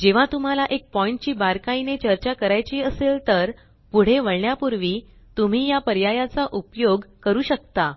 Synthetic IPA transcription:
d͡ʑeʋ̤at̪um̤alaʔek̚pɔiɳʈt͡ɕiːbaɾkainet͡ɕəɾt͡ɕakəɾajt͡ɕiːəselt̪əɾ | puɽ̤eʋəɭɳjapuɾʋiː | t̪um̤iːjapəɾjajat͡saʔupjoɡkəɾuːɕək̚t̪a

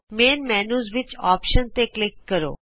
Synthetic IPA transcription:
meːnmɛːnuːzʋɪt͡ʃaːpʃənt̪eːklɪkːəɾo̰ː

